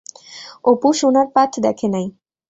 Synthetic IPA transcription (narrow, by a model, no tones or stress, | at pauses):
opuʃunaɾpat̪ʰd̪ɛkʰenaj